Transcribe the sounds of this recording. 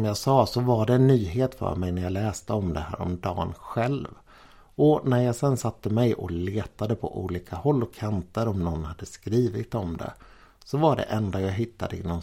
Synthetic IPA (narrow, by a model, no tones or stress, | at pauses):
mjaːɡsɑːsɔvaɖɛɛnːyːɦeːt̪fœ̰ːɾmɛjnæɾjaːlɛːst̪əɔmd̪ɛhæ̰ːɾɔ̰md̪ɑ̰ːnɧɛlv | ɔnæɾjaːɡsɛnːsat̪ːəmɛjɔ̰leːt̪ad̪əpʰɔ̰ʔṵːliːkʰahɔlːɔkʰːant̪əɾɔmnɔnːhad̪ːəskɾiːvɪt̪ɔmd̪ɛ̰ | sɔvaɖɛ̰ʔɛnd̪ajaːɡɦɪt̪ːad̪əɪnɔn